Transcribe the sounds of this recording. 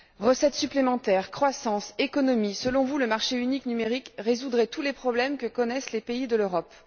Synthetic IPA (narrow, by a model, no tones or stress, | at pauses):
ʁəsɛt̪syplemɑ̃t̪ɛːʁkχwasɑ̃sekɔnɔmisəlɔ̃vuləmaʁʃeyniknymeʁikʁezud̪ʁɛt̪ulepχɔblɛmkəkɔnɛslepeid̪əløʁɔp